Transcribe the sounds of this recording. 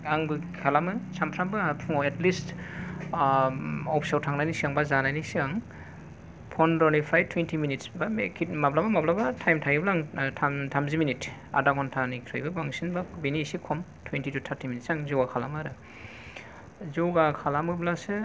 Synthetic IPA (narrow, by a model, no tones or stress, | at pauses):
aŋbɯ | kʰalamɯsampʰɾambɯapʰɔetlist | ɔpʰsawtʰaŋnajnisiaŋbazanajnisiaŋ | pʰɔndɔnipʰajtʰwentʰiminitsbakʰimablabamablabatʰajmtʰaiblaŋtʰamtʰamziminita̰daɡɔntʰanikʰɾɯjbɯbaŋsinbabinisikʰɔmtʰwentitutʰaɾtʰiminitsaŋzuwɡakʰalamɯɾɯ | zuwɡakʰalamɯblasɯ